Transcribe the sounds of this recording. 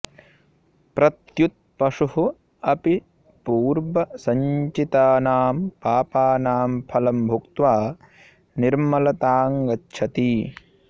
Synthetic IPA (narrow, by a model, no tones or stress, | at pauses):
pɾɐt̪jut̪̚pɐʂuhu | ɐpi | puːɾʋɐsɐɲt͡ʃit̪aːnaːmpaːpaːnaːmpʰɐlɐmbʱukt̪ʋaː | niɾmɐlɐt̪aːŋɡɐtːʃʰɐt̪i